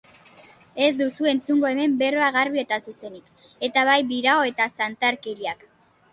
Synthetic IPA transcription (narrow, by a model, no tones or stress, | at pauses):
e̞zd̪usue̞nt͡suŋɡo̞e̞me̞mbe̞roaɣarβie̞t̪asuse̞nik | e̞t̪aβajbiɾaoe̞t̪asant̪aɾke̞ɾiak